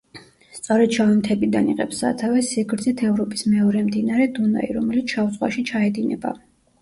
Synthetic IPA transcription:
st̪sʼɔɾɛd̪̚ʃʰavɛmt̪ʰɛbid̪aniqɛ̰psa̰t̪ʰavɛsiɡɾd̪zit̪ʰɛvɾɔpʼismɛɔɾɛmd̪inaɾɛd̪una̰ḭɾɔmɛlit̪sʰʃavuzʼʁwa̰ʃit͡ʃʰaɛd̪inɛ̰ba̰

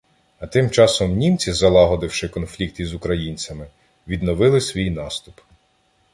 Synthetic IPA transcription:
ɐt̪ɪmt͡ʃɑsɔmnʲimt͡sʲizɐlˠɑɦɔd̪ɪwʃɪkɔnflʲik̚t̪izʊkɾɐjinʲt͡sʲɐmɪ | ʋʲid̪nɔʋɪlˠɪsʲʋʲijnɑst̪up

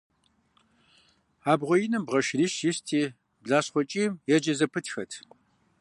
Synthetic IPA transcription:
aːbʁʷɔjɪnɨmbʁɐʃriːʃjɪstʰiː | bɮaːɕχʷɔt͡ʃʼiːmjɛd͡ʒɐzɐpʰɨtʰxɐtʰ

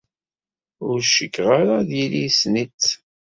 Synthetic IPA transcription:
ʊɾʃəkːʁaɾaðjilisnit͡s

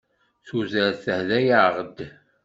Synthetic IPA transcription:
θuzəɾθəhðæjaʕʁəd̪

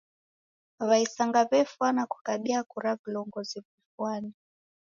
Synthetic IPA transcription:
βaisaŋɡaβɛfwanaku̥kaɓiakuɾavilɔŋɡɔziβifwani

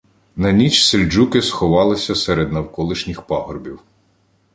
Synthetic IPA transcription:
nɐnʲit͡ʃselʲd͡ʒukɪsxɔʋɑlˠɪsʲɐseɾed̪nɐwkɔlˠɪʃnʲixpɑɦɔrbʲiw

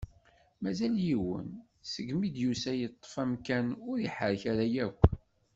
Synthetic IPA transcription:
mæzæljiwə̰n | səɡmid̪jusæjət̪ˤːə̥fæmkænʊɾiħəɾçaɾæjækʷː

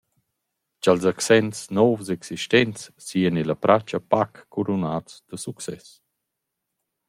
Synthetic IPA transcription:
t͡ʃalzaksɛnsnɔvzɛksiʃtɛnt͡sːiːənilapɾʔat͡ʃapakːuɾunaːt͡sd̪̥əsuksɛs

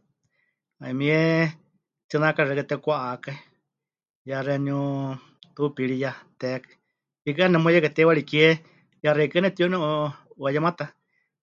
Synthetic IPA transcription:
aimĩɛ | t̪ɨnakaɾɛkɨt̪ɛkʷaʔakai | jarɛnu | t̪upiɺijat̪ɛk | ik̬ɨanɛmujɛkat̪ɛwaɺikjɛ | jarɛkɨnɛt̪ionɛuuajamãt̪a

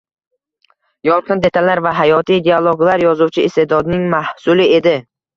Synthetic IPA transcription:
jɒlˠqʰɨnd̪e̞t̪ʰalaɾvaɦajɒt̪ʰijd̪ʲealˠoɡlaɾjɒzuwt͡ʃʰɪːst̪e̞d̪ɒd̪ɪnɪŋmahsʊlɪe̞d̪ɪ

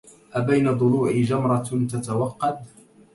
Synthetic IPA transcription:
ʔabajnad̪ˤʊluːʕɪd͡ʒamɾˤɑt̪at̪awɑqːɑd̪

